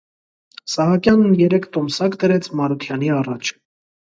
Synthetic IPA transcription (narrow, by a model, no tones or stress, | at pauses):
sɑɦɑkjɑnːjɛɾɛkʰt̪ɔmsɑkd̪əɾɛt͡sʰmɑɾut̪ʰjɑniɑrɑt͡ʃʰ